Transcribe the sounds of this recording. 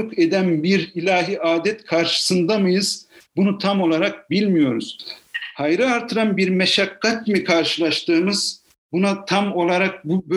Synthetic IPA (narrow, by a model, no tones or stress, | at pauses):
ukʰed̪ænbiɾilʲaːɦiʔaːd̪ɛt̪kʰaɾʃɯ̥sɯnd̪amɯjɯz̥bunut̪ʰamo̞lˠaɾak̚bilʲmijo̞ɾuz̥hajɾɯaɾt̪ʰɯɾanbiɾmɛʃakːat̪mikʰaɾʃɯlˠaʃt̪ɯːmɯz̥ | bunat̪ʰamo̞lˠaɾak̚bubø